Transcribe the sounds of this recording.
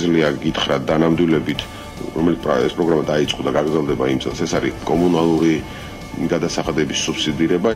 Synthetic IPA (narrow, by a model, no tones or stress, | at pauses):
zliaɡit̪ʰχɾad̪anamd̪wilɛbit̪ʰ | ɾɔmɛlit̪pʼɛspʼɾɔɡɾamad̪ait̪sʼqʼɔd̪aɡaɡɾd̪zɛlˠd̪ɛbaimt̪sʼɛ̰lˠsɛsaɾikʼɔmunalˠuɾi | ɡad̪asaχad̪ɛbisupsid̪iɾɛba